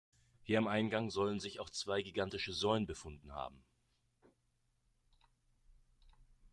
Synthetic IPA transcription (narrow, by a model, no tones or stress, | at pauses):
hiːɐamʔaɪnɡaŋzɔlənzɪçaʊxt͡sv̥aɪɡiɡantɪʃəzɔʏənbəfʊndn̩ha̰ːbm̩